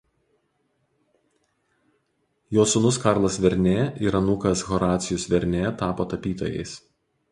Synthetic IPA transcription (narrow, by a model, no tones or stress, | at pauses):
joːsʊnʊskɑˑɾlˠɐsʋʲɛɾʲnʲeːiɾɐnʊkɐsɣɔɾɑːt̪sʲɪjʊsʋʲɛɾʲnʲeːt̪ɑːpoːt̪ɐpʲiːt̪o̰ːjɛ̰ɪs